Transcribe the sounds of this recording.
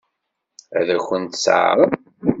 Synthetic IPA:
æðæxʷːənt̪sɾˤ

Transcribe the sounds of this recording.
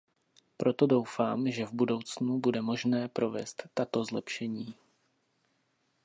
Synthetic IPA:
pɾʔo̞t̪o̞do̞wfaːmʒɛvbudo̞wt͡snubudɛmo̞ʒnɛːpɾo̞vɛ̰st̪ːat̪o̞zlɛpʃɛɲiː

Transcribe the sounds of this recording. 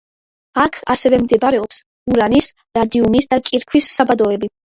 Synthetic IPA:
akʰasɛvɛmd̪ɛbaɾɛɔps | uɾanis | ɾad̪iumisd̪akʼiɾkʰwisːabad̪ɔɛbi

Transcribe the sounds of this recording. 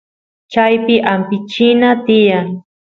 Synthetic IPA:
t͡ʃajpɪʔampɪt͡ʃɪnat̪ɪjaŋ

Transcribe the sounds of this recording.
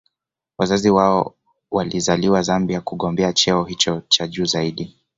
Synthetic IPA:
wazaziwaɔ | walizaliwazambiakuɠɔmbɛat͡ʃɛɔhit͡ʃɔt͡ʃaʄuːzaiɗi

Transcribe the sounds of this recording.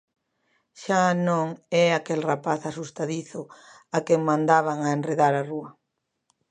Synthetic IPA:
ʃanõŋɛakelrapaθasust̪aðiθʊ | akeŋmãnd̪aβaŋaenreðaɾaruɐ

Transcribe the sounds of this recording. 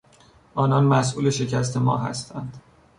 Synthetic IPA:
ʔɒːnɒnmæsʔuːle̞ʃe̞cʰæs̬t̪ʰe̞mɒ̰ːɦæ̰st̪ʰænd̪̥

